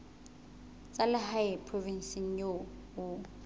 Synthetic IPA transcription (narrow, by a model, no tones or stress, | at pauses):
t͡sʼalɪhajɛpʰrovin̩siŋ̩jo | ʊ